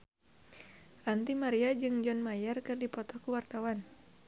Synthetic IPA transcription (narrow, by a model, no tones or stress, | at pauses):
rant̪imaɾiad͡ʒɨŋd͡ʒɔnmajɛrkɨrdipɔt̪ɔhkuwart̪awan